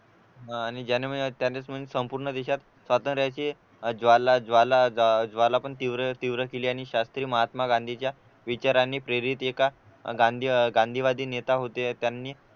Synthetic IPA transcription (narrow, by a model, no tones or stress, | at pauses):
ñid͡ʑanemət̪janet͡sm̤əesəmpuɾɳəd̪eɕat̪ | sʋat̪ənt̪ɾjat͡ɕe | d͡zʋalad͡zʋalad͡zʋalapəɳt̪iʋɾət̪iʋɾəkeliːaɽ̃iɕast̪ɾiːməɦat̪maɡãnd̪ʱit͡ɕja | ʋit͡ɕaɾanːiːpɾeɾit̪eka | ɡand̪ʱiɡãnd̪ʱiːʋad̪ʱiːnet̪aɦot̪et̪janːiː